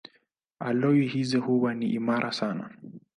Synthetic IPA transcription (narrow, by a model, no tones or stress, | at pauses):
alɔwihizɛhuwaniʔimaɾʔasana̰